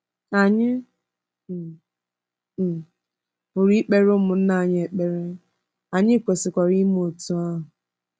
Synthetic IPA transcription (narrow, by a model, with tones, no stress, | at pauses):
a˨ɲɪ˦˨ | ʊ˨ɾi˦k͡pe˦ɾʊ˦mʊ˨n̩˦na˦˨ɲ˦e˨k͡pe˨ɾe˦ | a˨ɲɪ˦˨kʷe˨sɪ˨kʷa˨ɾi˦m˦o˨tu˨a˦ɦʊ˨